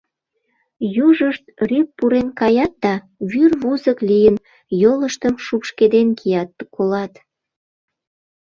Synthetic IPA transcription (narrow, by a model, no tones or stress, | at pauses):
juʒəʃt̪ryk̚puɾenkɑjɑt̪̚d̪ɑ | βyrβuzəklijən | joləʃt̪əmʃupʃked̪enkʰijɑt̪̚ːkolɑt̪